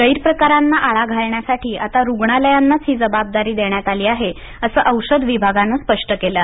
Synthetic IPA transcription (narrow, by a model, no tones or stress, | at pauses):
əjɾpɾəkaɾanːaʔaɭaɡʱaɭɳjasaʈʰiːʔat̪aɾuɡɳaləjanːat͡sɦiːd͡zəbab̚d̪aɾiːd̪eɳjat̪aliːaɦe | əsəːʔəwʂəd̪ʋibʱaɡanːaspəʂʈəkela